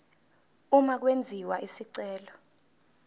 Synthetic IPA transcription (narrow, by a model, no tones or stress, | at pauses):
umak̬wend͡zʱiwaisiǀɛːlɔ